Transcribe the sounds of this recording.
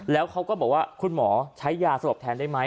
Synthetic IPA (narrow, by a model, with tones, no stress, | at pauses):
lɛː˦˥wkʰa˦˥wkɔː˥˩bɔː˨˩k̚waː˥˩kʰu˧nmɔː˩˦t͡ɕʰa˦˥jːaː˧˩sa˧ɾo˨˩p̚t̪ʰɛː˧ndaː˥˩jma˦˥